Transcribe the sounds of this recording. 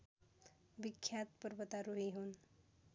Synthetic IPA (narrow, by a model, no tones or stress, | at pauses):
bikʰːjat̪pəɾbət̪aɾuɦiɦun